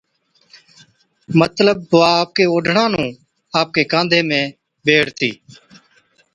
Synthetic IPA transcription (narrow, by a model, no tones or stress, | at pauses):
mət̪ləb̚t̪oaːp̚keːoːɖʱɳãːnũː | aːp̚keːkãːnd̪ʱeːmẽː | beːɽt̪ḭː